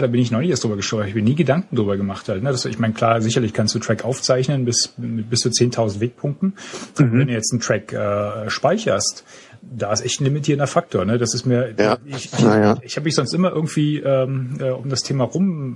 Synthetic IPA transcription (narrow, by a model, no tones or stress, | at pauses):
ɾaːbɪnɪçnɔɪnɪçʔɛsd̥ʁyːbɐɡəʃtoʊaɪçmiːɐniːɡədaŋkŋ̩dʁyːbɐɡəmaχthaltnədasd̥uʔɪ̰çmaɪnəkʰl̥aːzɪçɐlɪçkʰanstd̥uːtʁ̥ɛkʔaʊft͡saɪçnənbɪsmɪt̚b̥ɪst͡suːt͡seːntʰaʊzn̩tveːk̚pʰʊŋk̚tn̩ʔabɐvɛndujɛt͡stn̩tʁ̥ɛkʔɛːɛːʃpaɪçɐst | d̥aːɪsʔɛçtn̩lɪmitʰiːɐəndɐfak̚tʰoːɐnədasɪstmiːɐɪçɪɪçhaːbəmɪçz̥ɔnstʔɪmɐʔɪɐɡŋ̩tv̥iːʔɛːmʔɛːʔʊmdastʰeːmaʁʊm